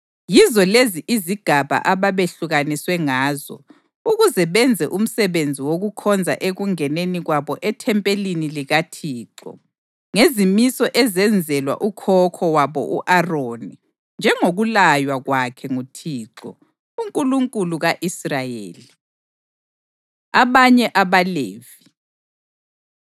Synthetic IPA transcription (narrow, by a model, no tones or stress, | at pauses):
jizɔleziʔiziɡ̥ʱaβa̰ʔaβaβeɬuɣaniswɛŋaːzɔ̰ | uɣuzɛβɛnd͡zʱɛʔum̩sɛβend͡zʱiwoɣukʰɔnd͡zʱa̰ʔeɣuŋɛneniɣwaβɔʔɛtʰɛmpʼeliniliɣatʰiːǁɔ̰ | ŋezimisɔʔɛzɛnd͡zʱɛlwa̰ʔukʰɔkʰɔwaβɔ̰ʔuʔaroːni | nd͡ʒʱɛŋoɣulajwaɣwakʰɛŋutʰiːǁɔ̰ | uŋkʼuluŋkʼuluɣaʔisrajḛːli | aβaɲɛʔaβaleːvi